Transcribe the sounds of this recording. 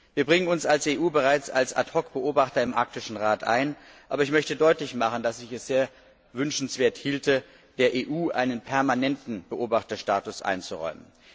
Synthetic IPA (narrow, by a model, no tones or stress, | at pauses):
viːɐbʁɪŋənʊnsalseːʔuːbəʁaɪt͡sa̰lsa̰tʁɔkb̥əʔoːbaχtɐɪmʔa̰ɐk̚tɪʃn̩ʁaːtʔa̰ɪn | ʔaːbɐɪçmœçtədɔʏtlɪçmaχən̩dasɪçɛsz̥eːɐ | vʏnʃn̩sv̥eːɐthiːltə | d̥eːɐʔeːʔuːʔaɪnənpʰɛɐmanɛntn̩b̥əʔoːbaχtɐʃtaːtʊsʔa̰ɪnt͡suʁɔ̰ʏmə̰n